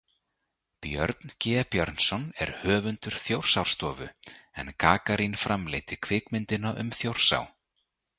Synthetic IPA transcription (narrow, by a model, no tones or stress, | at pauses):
pjœ̰ɾt̪ncɛːpjœɾnsɔnɛ̰ɾ̥hœːvʏnt̪ʏɾ̥θjowr̥sawɾ̥st̪ɔːvʏ̰ɛ̰nkʰaːkaɾinfɾamlḛjt̪ɪ̥kʰvɪːkmɪnt̪ɪnaʔʏ̰mθjowr̥sa̰w